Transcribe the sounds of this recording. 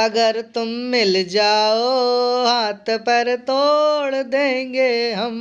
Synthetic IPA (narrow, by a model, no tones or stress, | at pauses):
ɐɡəɾt̪ʊmːɪld͡ʒaːoɦaːt̪pɐɾt̪oːɭd̪ẽːŋɡeːɦɐm